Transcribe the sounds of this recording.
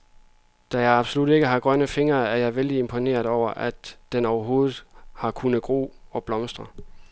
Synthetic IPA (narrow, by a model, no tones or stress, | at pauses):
d̥æjɑ̈ɪɑ̈b̥solud̥e̝ɡ̥əɦɑ̈ɡ̥ʁɶnəfe̝ŋɐːæɐjɑ̈ɪʋeld̥ie̝mpʰo̝ne̝̰ːɐðˠɒʊ̰ɐʔæd̥d̥enɒʊɐɦo̝ːð̩ˠhɑ̈kʰunð̩ˠɡ̥ʁo̝̰ːɒ̽b̥lɒ̽msd̥ʁɐ